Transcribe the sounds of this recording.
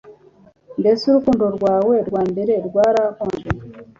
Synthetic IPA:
ndesuɾukuːndoɾwaːweɾwaːmbeɾeɾwaːɾakoːnde

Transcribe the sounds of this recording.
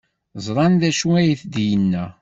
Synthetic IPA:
zˤɾˤɑnðæʃuæjəθd̪jənːæ

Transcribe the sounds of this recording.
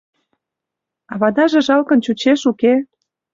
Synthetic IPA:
ɑβɑd̪ɑʒĕʒɑlkə̆nt͡ɕut͡ɕeʃuke

